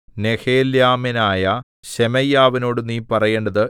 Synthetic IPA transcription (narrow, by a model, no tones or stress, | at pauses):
ne̞heːljaːminaːjɐ | ɕemɐjːaːʋino̞ːɽuniːpɐrɐjeːɳɖɐðɨ